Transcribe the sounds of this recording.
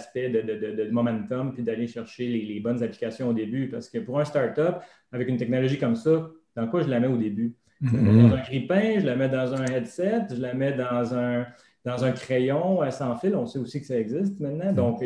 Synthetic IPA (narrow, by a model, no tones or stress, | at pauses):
spɛd̪əd̪əd̪əd̪əmɔmɛ̃nt̪ɔmpid̪aleʃɛʁʃelelebɔnzaplikʲasjɔ̃od̪ebypaʁsə̥kəpuʁɛ̃˞st̪ɑʁt̪ɔp | avɛkynt̪ɛk̚nɔlɔʒikʌmsʌd̪̥ɑ̃kwaʒəlamɛod̪eby | ʒəamɛd̪ɑ̃zɛ̃ɡʁipɛ̃ʒəlamɛd̪ɑ̃zɛ̃ɛd̪sɛt̪ʒəlamɛd̪ɑ̃zɛ̃˞ | d̪̥ɑ̃zɛ̃kχɛjɔ̃asɑ̃ːfɪlɔ̃seusikə̥saɛɡzɪst̪mɛ̃t̪̚nɑ̃d̪ɔ̃k